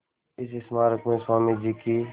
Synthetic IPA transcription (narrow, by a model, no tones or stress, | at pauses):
ɪs̬ɪsmaːɾəkmẽːsaːmid͡ʒikiː